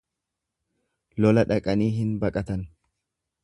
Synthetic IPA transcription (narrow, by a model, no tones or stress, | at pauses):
lɔlɐᶑɐkʼɐniːɦɪnbɐkʼɐt̪ɐn